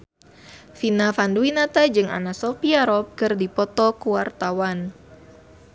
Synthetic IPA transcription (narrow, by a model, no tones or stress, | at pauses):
finafanduinat̪ad͡ʒɨŋa̰nasɔpiaɾɔp̚kɨrdipɔt̪ɔkuwart̪awan